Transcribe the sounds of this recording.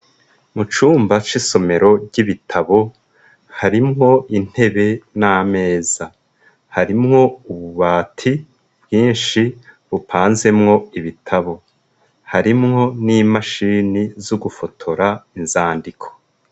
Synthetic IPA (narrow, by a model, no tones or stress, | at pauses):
mut͡ʃuːmbat͡ʃiso̞me̞ɾo̞ɾɟiβitʰaβo̞ | haɾimŋo̞ʔin̥he̞βe̞naːme̞ːz̥a | haɾimŋo̞uβuβaːtʰi | bɡiːnʃiβupʰaːnze̞mŋo̞iβitʰaβo̞ | haɾimŋo̞niːmaʃiːnizuɡufo̞tʰo̞ɾainzaːndikʰo̥